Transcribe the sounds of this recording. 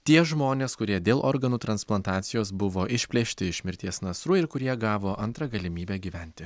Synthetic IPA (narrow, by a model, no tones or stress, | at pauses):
t̪ʲiɛʒmoːnʲeːskʊɾʲiɛd̪ʲeːlˠʔoːɾɡɐnuːt̪ɾɐnsplˠɐnt̪ɑːt̪sʲɪjoːsbʊʋoːʔɪʃʲpʲlʲeʃʲt̪ʲɪɪʃʲmʲɪɾʲt̪ʲiɛsnɐsɾuːɪɾkʊɾʲiɛɡɑːʋoːʔɐnˑt̪ɾɐɡɐlʲɪmʲiːbʲæːɡʲiːʋʲɛnʲt̪ʲɪ